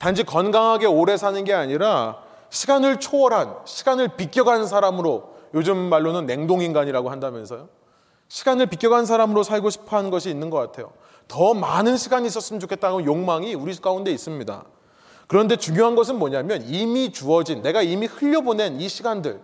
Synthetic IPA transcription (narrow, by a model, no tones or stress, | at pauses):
tand͡ʑʰikʌnɡaŋɦaɡe̞oɾe̞sʰanɯnɡe̞aɲiɾa | ɕʰiɡanɯɭt͡ɕʰoʌɾɦanɕʰi̥ɡanɯɭpik͈jʌɡanns̬ʰaɾamɯɾojod͡ʑɯmːaɭːonɯnːe̞ŋdoŋinɡaɲiɾaɡoɦandamjʌnsʰʌjo | ɕʰi̥ɡanɯɭpik͈jʌɡans̬ʰaɾamɯɾosʰaɭɡoɕʰi̥pʰʌɦannɡʌɕʰiːnːɯnɡʌk͈atʰe̞jo̰ | tʌmanɯnɕʰiɡaɲiːs͈ʌs͈ɯmʌt͡ɕokʰet̚t͈aɡonjoŋmaŋiuɾik͈aunde̞is͈ɯmɲida̰ | kɯɾʌnde̞t͡ɕuŋjoɦanɡʌsʰɯnmʌɲamjʌnimit͡ɕuʌd͡ʑinːe̞ɡaimihɯʎːʌbone̞niɕʰiɡandɯɭ